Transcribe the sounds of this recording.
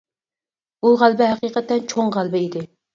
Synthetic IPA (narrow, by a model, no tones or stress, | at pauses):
uʁælˠbɪɦæqiːqət̪ːɛnt͡ʃʰoŋʁælˠbɪid̪ɪ